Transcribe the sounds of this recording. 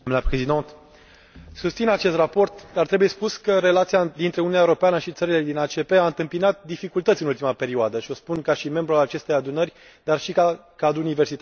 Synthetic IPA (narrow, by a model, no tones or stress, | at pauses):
mlepɾezid̪ɔ̃nt̪ | sust̪sinat͡ʃe̞st̪rapo̞rt̪d̪art̪ɾebuje̞spuskəɾelat̪siad̪int̪ɾe̞ununʲaeuɾo̞peanəʃit̪səɾile̞d̪inat͡ʃe̞pe̞aɨnt̪ɨmpinat̪̚d̪ifikult̪ət̪sʲiɨnult̪imape̞ɾiuad̪əʃio̞spunkaʃime̞mbɾualat͡ʃe̞st̪e̞jad̪unərʲ | d̪arʃika | kad̪ɾunive̞rsit̪a